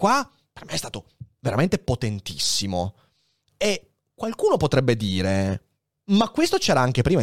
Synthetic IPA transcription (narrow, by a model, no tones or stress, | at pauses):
kwa | pe̥rmeɛst̪aːt̪oveɾament̪epot̪ent̪isːimo | e | kːwalkuːnopot̪ɾɛbːed̪iːɾe | makːwest̪ot͡ʃɛːɾaaŋk̟epɾiːma